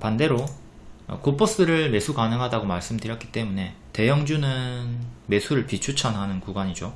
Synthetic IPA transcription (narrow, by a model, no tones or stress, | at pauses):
pande̞ɾo | ʌ̰kopʰos͈ɯɾɯɭme̞sʰukanɯŋɦadaɡomaɭs͈ɯmdɯɾjʌt̚k͈i̥t͈e̞mune̞ | te̞jʌŋd͡ʑunɯnme̞sʰuɾɯɭpit͡ɕʰut͡ɕʰʌnɦanɯnkuɡwaɲid͡ʑo